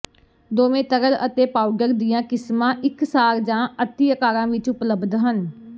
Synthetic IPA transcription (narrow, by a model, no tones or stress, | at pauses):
d̪oːmẽːt̪əɾələ̰t̪eːpaːʊɡəɾd̪ijãːkɪsmãːʔɪksaːɾd͡ʒãːət̪ːiːəkaːɾãːʋɪt͡ʃʊpləbd̪ʱɦən